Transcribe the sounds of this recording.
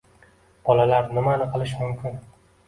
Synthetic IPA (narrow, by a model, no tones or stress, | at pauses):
b̥ɒlalaɾnɪmanɨqʰɨlˠɪʃmʊmkʲʰɪn